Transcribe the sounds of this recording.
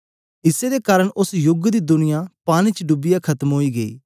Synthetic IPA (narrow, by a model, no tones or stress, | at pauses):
ɪsed̪ekaːɾəɳʔʊsjʊɡd̪id̪ʊnɪjãpaːñit͡ʃəɖʊbɪjakʰɐt̪əmɦoːiɡɐḭː